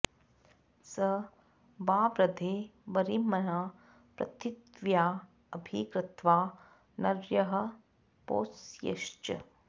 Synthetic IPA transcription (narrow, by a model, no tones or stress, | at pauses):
sɐ | baːʋɾɐd̪ʱeːʋɐɾimɐnaː | pɾɐ̰t̪it̪ʋjaː | ɐbʱiːkɾɪt̪ʋaː | nɐɾjɐɦɐ̆ | po̰ːsjɐ̰ʃt͡ʃɐ̰